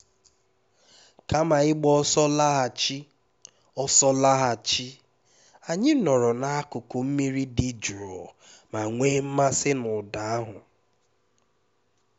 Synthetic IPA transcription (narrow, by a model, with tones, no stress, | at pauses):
ka˦ma˨ɪ˦ɡ͡bɔ˦sɔ˦la˦ɦa˨t͡ʃi˦ | ɔ˦sɔ˦la˦ɦa˨t͡ʃi˦ | a˨ɲɪ˦nɔ˨ɾɔ˨na˨a˦kʊ˨kʊ˨m̩˦mi˦ɾi˦di˨d͡ʒɾɔ˨ | ma˨ŋʷeː˦m̩˦ma˦sɪ˦nʊ˨da˨a˦ɦʊ˨